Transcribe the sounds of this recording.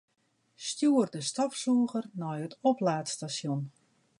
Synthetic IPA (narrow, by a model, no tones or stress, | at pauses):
stjuːərdəstɔfsuəɣərnɔjətɔplaːtstasjon